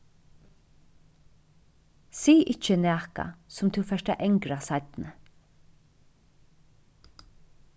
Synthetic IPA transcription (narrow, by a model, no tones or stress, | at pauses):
siːʔɪt͡ʃənæːka̰sʊmt̪ʰuwfɛʃʈa̰ʔɛŋkɾasat̪nə